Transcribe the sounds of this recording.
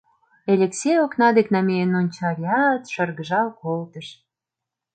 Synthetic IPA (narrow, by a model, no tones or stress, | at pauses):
elʲeksʲejoknɑd̪eknɑmejenonʲt͡ɕɑɾʲjɑt̪ʃərɣə̆ʒɑlkolt̪ə̆ʃ